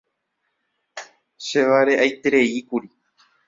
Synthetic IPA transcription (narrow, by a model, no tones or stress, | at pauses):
ʃe̞ʋaɾe̞ʔajt̪eɾe̞ikuɾi